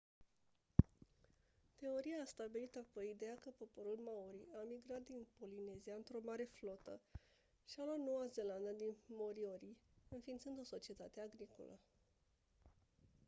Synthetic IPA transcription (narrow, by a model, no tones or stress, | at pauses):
t̪e̞o̞ɾiaːst̪abilit̪apojid̪e̞akəpo̞po̞ɾulmauɾiamiɡɾat̪̚d̪inpo̞line̞ziaɨnt̪ɾo̞maɾe̞flot̪ə̰ | ʃialat̪no̞waze̞land̪ad̪inmo̞ɾioɾiɨnfint̪sɨnd̪o̞so̞t͡ʃie̞t̪at̪eaɡɾiko̞̰lə̰